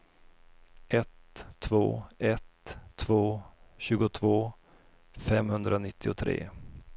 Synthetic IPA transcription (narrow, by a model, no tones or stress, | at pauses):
ʔɛt̪ʰːvo̰ːɛt̪ʰːvoːɕʉ̟ːɡʊt̪ʰvoː | fɛmhɵnd̪ɾanɪt̪ʰːɪʊt̪ʰɾḛː